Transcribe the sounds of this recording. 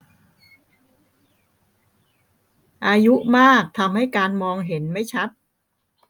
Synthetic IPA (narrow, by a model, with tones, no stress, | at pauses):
ʔaː˧ju˦˥ʔmaː˥˩k̚t̪ʰa˧mha˥˩jkaː˧nmɔː˧ŋɦe˩˦nma˥˩jt͡ɕʰa˦˥t̪̚